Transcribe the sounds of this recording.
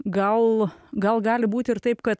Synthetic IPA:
ɡɐlˠɡɐlˠɡɑːlʲɪbuːt̪ʲɪrt̪ɐɪpkɐt̪

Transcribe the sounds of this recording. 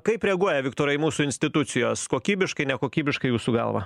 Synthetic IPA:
kɐɪpɾʲɛːɡuɔjɛʋʲɪkt̪oːɾɐɪmuːsʊɪnʲsʲt̪ʲɪt̪ʊt̪sʲɪjoːskoːkʲiːbʲɪʃkɐɪnʲɛkoːkʲiːbʲɪʃkɐɪjuːsuːɡɐ̰lˠʋɐ̰

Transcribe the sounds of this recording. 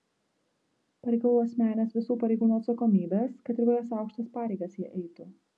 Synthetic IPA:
pɐɾʲɛɪkɐlˠuːɐsʲmʲæːnʲɛsʋʲɪsuːpɐɾʲɛɪɡuːnuːɐt̪sɐkoːmʲiːbʲeskɐt̪ʲɪɾʋʲojɛːsɑˑʊkʃt̪ɐspɑːɾʲɛɪɡɐsjiɛʔɛɪt̪ʊ

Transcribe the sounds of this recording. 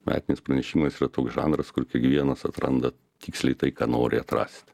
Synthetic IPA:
mʲʔæ̰ːt̪ʲɪnʲɪspɾɐnʲɛʃʲiːmɐsiːrɐt̪oːksʒɑ̰ːnɾɐskʊɾkʲiɛkʋʲiɛnɐsɐt̪ɾɐ̰nd̪ɐ | t̪ʲiːksʲlʲɛɪt̪ɐɪkɑːnoːɾʲɪɐt̪ɾɑ̰ːsʲt̪ʲ

